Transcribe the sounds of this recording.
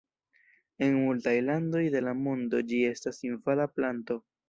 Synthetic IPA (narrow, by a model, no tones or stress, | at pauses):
e̞nmultajlando̞jde̞lamo̞ndo̞d͡ʒie̞stasinvalaplanto̞